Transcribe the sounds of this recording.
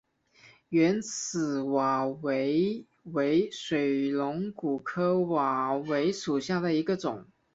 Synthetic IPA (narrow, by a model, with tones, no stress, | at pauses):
ɥɛ˧˥nt͡sʰɹ̩˨˩wa˨˩we˧˥ɪ | we˧˥ɪʂwe˨˩ɪlʊ˧˥ŋku˨˩kʰɤ˥wa˨˩we˧˥ɪʂu˨˩ɕja˥˩d̪ə˩i˧˥ɡə˧ʈ͡ʂʊ˨˩˦ŋ